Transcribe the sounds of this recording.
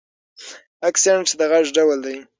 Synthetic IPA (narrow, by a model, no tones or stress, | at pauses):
aksaɳʈsd̪əɣaʐɖawald̪aj